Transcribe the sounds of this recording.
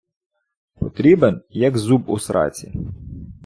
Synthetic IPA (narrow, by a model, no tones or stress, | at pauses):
pɔt̪ɾʲibenjɐkzubʊsɾʔɑ̰t͡sʲi